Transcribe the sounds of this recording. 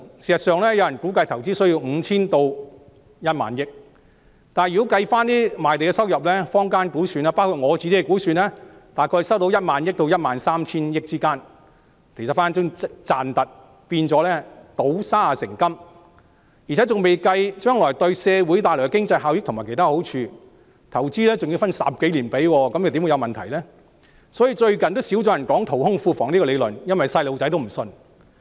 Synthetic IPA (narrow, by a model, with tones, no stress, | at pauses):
siː˨˩sɐ˨tsœː˨˧ŋlɛː˥jɐ˨˧wjɐ˨˩nku˨˥kɐ˧jt̪ʰɐ˨˩wt͡siː˥sɵ˥ɥji˧wŋ̩˨˧t͡sʰiː˥nt̪o˧w | jɐ˥t̚ma̰ː˨njɪ˥k̚ | t̪aː˨jy˨ko˨˥wkɐ˧jfaː˥nt̪iː˥maː˨˩jt̪e˨jkɛ˧sɐ˥wjɐ˨p̚lɛː˥fɔː˥ŋkaː˥nkuː˨˥syː˨˧naː˥paː˥kʰu˨t̚ŋɔː˨˧t͡si˧t̪i˥ɐ˨kuː˨˥syː˨˧nɛː˥t̪aː˨˩jkʰɔː˧sɐ˥wt̪o˧˥wjɐ˥t̚maː˨˧njɪ˥k̚t̪o˧wjɐ˥t̚maː˨˧nsaː˥mt͡sʰiː˥njɪ˥k̚t͡siː˥kaː˥n | kʰe˨˩sɐ˨tfaː˥t͡sʊ˥ŋt͡saː˨nt̪ɐ˨t̚ | piː˧nt͡sɔː˨˥lɛː˥t̪o˨˥wsaː˥a˨sɪ˨˩ŋkɐ˥m | ji˨˩ɛ˨˦˥t͡sʊ˨ŋme˨jkɐ˧jt͡ʃœː˥ŋlɔː˨˩jt̪ɵ˧ɥsɛː˧wuː˨˥jt̪aː˧jlɔ˨˩kkɪ˥ŋt͡sɐ˧jɦaː˨˧wjɪ˥k̚t̪ʊ˨˩mː˨˩ke˨˩t̪aː˥ho˨˥wt͡ʃʰyː˧ | t̪ʰɐ˨˩wt͡siː˥lɛː˥t͡sʊ˨ŋji˧wfɐ˥nsɐ̰˨p̚ke˨˥jliː˨˩npe˨˥jwɔː˧kɐ˨mjɐ˨˩t̪iː˨˧˥wu˧jɐ˧wmɐ˨nt̪ʰɐ˨˩jlɛː˥ | sɔ˨˥jiː˧t͡ʃɵ˧ɥkɐ˨nt̪o˥wsiː˨˥wt͡sɔː˨˧˥jɐ˨˩nkɔː˨˥ŋt̪ʰo˨˩whʊ˥ŋfuː˧fɔː˨˩ŋniː˥kɔː˧le˨˧jlɵ˨njɐ˥nwɐ˨jsɐ˧jlo˨˧wt͡sɐ˨˥jt̪o˥m̩˨˩sɵ˧n